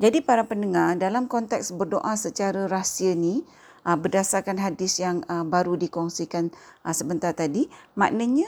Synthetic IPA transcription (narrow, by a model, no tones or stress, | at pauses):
d͡ʒadipaɾapəndəŋardalamkɔnt̪ɛksbərdoʔasət͡ʃaɾaɾasiəni | ʔəbərdasarkanɦadɪsjaŋəbaɾudikɔŋsikan | ʔəsəbənt̪art̪adima̰ʔnəɲã